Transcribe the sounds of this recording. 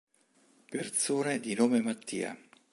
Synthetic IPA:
pert̪soːned̪inoːmemat̪ʰːḭːa̰

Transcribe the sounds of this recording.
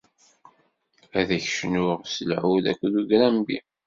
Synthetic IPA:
æðæçʃnʊʁsəlʕuðæ̰kʷːðuʝɾæmbḭ

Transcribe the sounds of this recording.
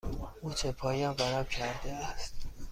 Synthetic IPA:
ʔuːt͡ʃʰepʰɒːjɒːnbæɾɒːmcʰæɾd̪eæst̪

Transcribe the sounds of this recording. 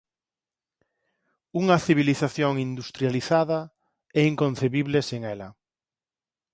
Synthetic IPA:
uŋɐθiβiliθaθjoŋind̪ust̪ɾjaliθaðɐ | ɛiŋkõn̟θeβiβleseŋɛlɐ

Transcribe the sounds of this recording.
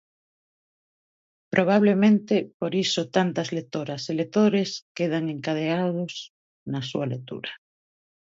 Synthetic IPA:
pɾʔoβ̞aβlemẽnt̪epoɾisot̪ant̪azlek̚t̪oɾaselet̪oɾeskeð̞aŋeŋkað̞eaðos | nasṵalek̚t̪ṵɾa

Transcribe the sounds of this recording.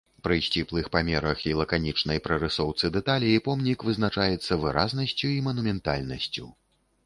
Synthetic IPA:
pɾɨsʲt͡sʲiplˠɨxpamʲɛɾɐxilˠɐkanʲit͡ʂnɐjpɾɐɾɨsɔwt̪sɨd̪ɛt̪alʲiːpɔmnʲikvɨznat͡ʂajɛt̪sːɐvɨɾaznɐsʲt͡sʲuimɐnumʲɛnt̪a̰lʲnɐsʲt͡sʲu

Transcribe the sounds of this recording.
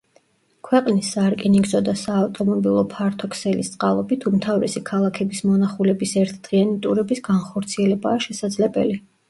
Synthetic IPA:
kʰwɛqʼnisːaɾkʼɛniɡzɔd̪asaːft̪ʼɔmɔbilˠɔpʰaɾt̪ʰɔkʰsɛlist̪sʼqʼalˠɔbit̪ʰumt̪ʰavɾɛ̰sikʰalˠakʰɛbismɔnaχulɛbisɛɾt̪ʰd̪̥ʁianit̪ʼuɾɛbisɡanχɔɾt̪sʰiɛlɛbaːʃɛsad̪zlɛbɛli

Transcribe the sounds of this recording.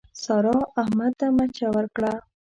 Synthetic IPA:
sɑɾɑahmad̪̚t̪amat͡ʃawəɾkɽa

